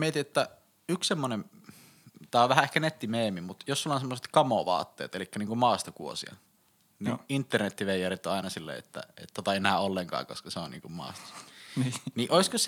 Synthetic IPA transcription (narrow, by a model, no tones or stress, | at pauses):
miet̪iet̪ːæ | ykssemːonem | t̪ɑˑioʋʋæhæehkænet̪ːimeːmimut̪josulːˑɑnsemːoset̪kɑmoʋɑ̰ːt̪ːḛːt̪elikːæniːŋkummɑːst̪okṵo̰sḭɑ̰ | niʔint̪ːernet̪ːiʋeijːærit̪ːoɑˑinɑsilːḛḛt̪ːæ̰ḛt̪t̪ːot̪ɑenæːolːeŋkɑ̰ːko̰skɑseonḭːŋkummɑ̰ːst̪o̥s | niʔoiskøs